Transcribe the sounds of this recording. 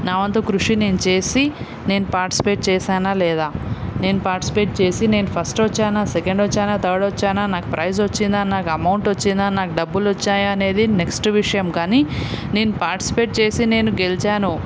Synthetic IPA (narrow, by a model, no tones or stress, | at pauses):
naːʋɐnt̪oːkɾuʂine̞ːnut͡ʃe̞ːsi | ne̞ːnupaːɾʈi̥si̥pe̞ːʈ̚t͡ʃɛːsaːnaːlɛːd̪aːne̞ːnupaːɾʈi̥si̥pe̞ːʈ̚t͡ʃe̞ːsine̞ːnupʰɐsʈʋɔt͡ʃːaːnaːsekɐɳɖʋot͡ʃːaːnaːt̪ɐːɽʋot͡ʃːaːnaːnaːkupɾʔɐjzot͡ʃːind̪aːninaːkɐmɐwɳʈʋot͡ʃːind̪aːninaːkuɖɐbːulʋot͡ʃːaːjaɐne̞ːd̪ineksʈʋiʂɐjɐmkaːnine̞ːnupaːɾʈisi̥pe̞ːʈ̚t͡ʃe̞ːsine̞ːnuɡelit͡ʃaːnu